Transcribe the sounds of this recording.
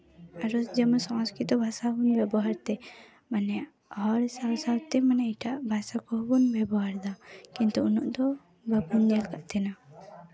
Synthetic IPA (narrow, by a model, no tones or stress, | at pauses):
aɾɔsd͡ʒəməsɔ̃skɾit̪ɔbʱasabunbɛbɔɦaɾt̪ɛ | manɛjaʔ | ɦɔɾsawsawt̪ɛmanɛiʈaʔbʱasakɔɦbunbɛbɔɦaɾd̪akint̪uunɔ̰ʔd̪ɔ | bəbunːɛlkaʔt̪ɛna